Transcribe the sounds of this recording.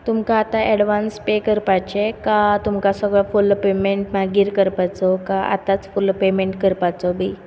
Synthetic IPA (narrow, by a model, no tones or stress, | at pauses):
t̪umkaːt̪aɛɽʋanspekəɾpajt͡ɕekat̪umkasəɡɭɔfulpemeɳʈmaɡiːɾkəɾpajt͡sɔkaʔa̰t̪at͡sfulpemeɳʈkəɾpat͡sɔbi